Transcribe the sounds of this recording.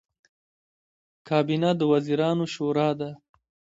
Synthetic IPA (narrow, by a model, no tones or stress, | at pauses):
kʰɑːbinad̪əwaziɾɑːnoʃoɾɑd̪a